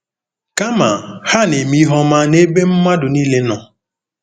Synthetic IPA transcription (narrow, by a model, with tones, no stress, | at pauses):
ka˦ma˨ha˦˨ne˨mi˦ɦɔ˦ma˦ne˦be˦m̩˦ma˦dʊ˨niː˦le˦nɔ˨